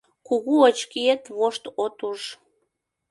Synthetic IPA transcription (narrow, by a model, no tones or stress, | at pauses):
kuɣuət͡ɕkiet̪βoʃt̪ot̪uʃ